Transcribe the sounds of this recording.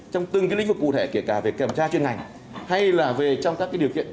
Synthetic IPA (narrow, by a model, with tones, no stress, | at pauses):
t͡ɕɔ˧wŋ͡mt̪ɨ˨˩ŋkːlŋ̟vɨ˨˩kːṵ˧˨t̪ʰe˧˩ki˧˩əkaː˧˩ve˨˩kɛ˧˩mt͡ɕaː˧t͡ɕwi˧ənŋa˨˩jŋ̟ | ha˧jlaː˨˩ve˨˩t͡ɕɔ˧wŋ͡mkaː˦˥kaː˨˦jɗəwkḭ˧˨ən